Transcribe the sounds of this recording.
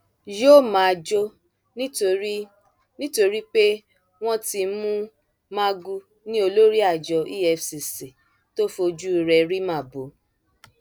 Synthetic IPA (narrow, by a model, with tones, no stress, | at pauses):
jo˦˨mã˨d͡ʒo˦ | o˧˦ | nĩ˦to˧ɾi˦k͡pe˦ | w̃ɔ̃˦ti˧mũ˦ | mã˦ɡu˧ | nĩ˦o˧lo˦ɾi˦a˦˨d͡ʒɔ˧i˦ɛ˧fsi˨si˨ | to˦fo˧d͡ʒu˦i˧ɾɛ˧ɾi˦mã˦˨bo˨˦